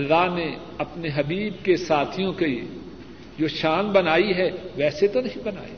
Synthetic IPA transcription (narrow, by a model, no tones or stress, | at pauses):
ɐlːaɦne | ɐpneɦɐbiːb̚kesaːt̪ʰijõkei | d͡ʒoːʃaːnbɐnaːiɦɛʋɛːset̪onɐɦĩbɐna̰ːḛː